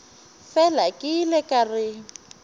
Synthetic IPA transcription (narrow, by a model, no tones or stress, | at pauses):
fɛlakʼɪlɛkarɪ